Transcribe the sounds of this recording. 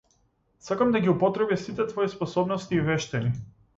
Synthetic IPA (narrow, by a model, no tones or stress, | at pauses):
sakamd̪aɡʲiupɔt̪ɾɛbisit̪ɛt̪vɔispɔsɔbnɔst̪iːvɛʃt̪ɛni